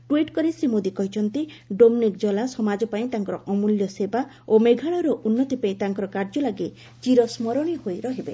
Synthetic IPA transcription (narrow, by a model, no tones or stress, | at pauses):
ʈwiʈkɔɾisimod̪ikɔɦit͡ʃʰɔnt̪iɖomnikd͡ʒɔlasɔmad͡ʒɔpaĩt̪aŋkɔɾɔʔɔmuljɔseba | omeɡʱaɭɔɾɔʔunːɔt̪ɔpaĩt̪aŋkɔɾɔkaɾd͡ʒɔlaɡe | t͡ʃiɾɔsmɔɾɔɽ̃ihojɾɔɦibe